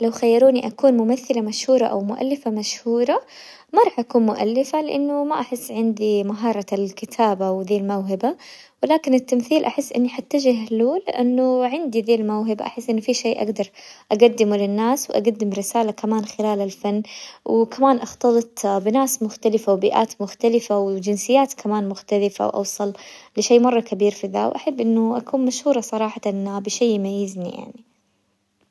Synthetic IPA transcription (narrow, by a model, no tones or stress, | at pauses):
lawxajːɑɾuːniʔakuːnmʊmaθːɪlamaʃhuːɾˤɑʔa̰wmʊʔa̰lːɪfamaʃhuːɾˤɑ | mɑɾˤɑːħʔakuːnmʊʔa̰lːɪfalɪʔanːʊmaʔaħɪsːʕɪnd̪imaɦɑːɾˤɑlkɪt̪ʰaːbawðiːlmawɦɪba | wɪlaːkɪnɪt̪ːamθiːlʔaħɪsːʔɪ̰nːiħat̪ːaʒɪɦluːlɪʔanːʊʕɪnd̪iðeːlmawɦɪba̰ʔa̰ħɪsːʔɪnːʊfiːʃeːʔa̰ɡd̪ɑɾˤʔaɡad̪ːɪmulɪnːaːswʔa̰ɡad̪ːɪmɾɪsaːlakamaːnxɪlaːlalfanːwɪkamaːnʔɑxt̪ɑlɨt̪ˤbɪnaːsmʊxt̪alɪfawbiːʔa̰ːt̪mʊxt̪alɪfawɪd͡ʒɪnsɪjːaːt̪kʰamaːnmʊxt̪alɪfa̰wʔɑ̰wsˤɑllɪʃeːmɑrˤːɑkabiːɾfiða̰wʔa̰ħabːʔɪnːʊʔakuːnmaʃhuːɾˤɑsˤɑɾˤɑːħat̪anabɪʃeːmajːɪznḭja̰ʕni